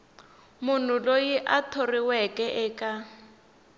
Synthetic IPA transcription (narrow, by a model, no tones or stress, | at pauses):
mʊn̤ʊlojiʔatʰoriwɛkʼɛʔɛːkʼa